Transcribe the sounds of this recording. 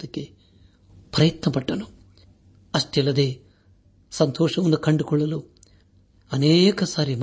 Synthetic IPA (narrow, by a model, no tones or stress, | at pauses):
ɐkːe̞ | pɾɐjɐt̪nɐpɐʈːɐnu | ɐʂʈɛlːɐd̪e̞ː | sɐnt̪ɔːʂɐʋɐnd̪ukɐɳɖukɔɭːɐlu | ɐneːkɐsaːɾim